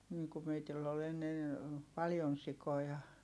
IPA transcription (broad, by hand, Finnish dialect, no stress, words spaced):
niː ku meitilː ol enːen̞ pɑljon sikojɑ